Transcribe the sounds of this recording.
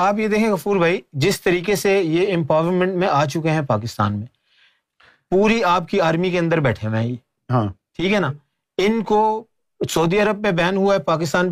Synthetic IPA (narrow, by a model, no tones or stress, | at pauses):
aːp̬jed̪eːkʰẽẽkɐfuːɾbʱaːid͡ʒɪst̪əɾiːkesejeɪ̃mpaːʋɾmɛ̃ɳʈmẽaːt͡ʃʊkeɦɛ̃paːk̬ɪst̪a̰ːnmẽ | puːɾiaːp̚kiaːɾmikeɐ̃nd̪əɾbɛːʈʰẽʋɛ̃ː | ɦãːʈʰiːkɦɛnaː | ɪnko | sɐːd̪iəɾəb̚pẽbɛːnɦʊaɦɛpaːk̬ɪst̪aːn